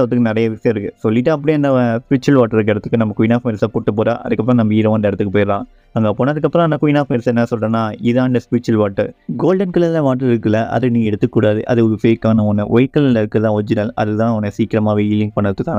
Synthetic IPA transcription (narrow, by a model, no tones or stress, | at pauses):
ɐɐt̪ːɯkːɯnɪɾɐjɐʋɪsɐjɐ̃ɪɾɯkːɯsɔlːɪʈːɯɐp̬ːɐɽɪɐnd̪ɐspɪt͡ʃːɐlʋaːʈːɐɾɯk̬ːɛɽɐt̪ːɯkːɯnɐmːɐkʊjɪnaːfmɛɾɪsaːkuːʈːɯp̬oːɾa̰ːʔɐ̰ðɯkːɐp̬ːɪɾõnɐmːɐiːɾɐɐnd̪ɐɛɽɐt̪ːɯkːɯpoːɪɾãː | ɐŋɡɐpoːnːɐðɯkːɐpːɯɾõɐnd̪ɐkʊjɪnaːfmɛɾɪsɛnːɐɐsɔlːɐːnːaːɪðãːɐnɖɐspɪt͡ʃːɐlʋaːʈːɐɾɡoːlɖɐnkɯlɛlːɐ̃ʋaːʈːɐɾɪɾɯkːɯlːɐʔɐ̰ðɯnĩɛɽɯt̪ːɯkːuːɽaːðɯʔɐ̰ðɯfeːkːaːnɐɔnːɯ̰ʔɔjkːɐllːɐɪɾɯkːɯðãːɔd͡ʒɪɾaːlʔɐ̰ðɯt̪ãːʋɐnɐsiːkɪɾɐmaːʋeɪlɪŋ̚pɐɳːɐɾɐt̪ːɯkːaːn